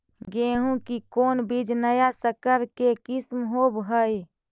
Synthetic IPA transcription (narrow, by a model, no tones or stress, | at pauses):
ɡeɦũkikonbid͡ʒnəjasəkəɾkekismɦobɦəj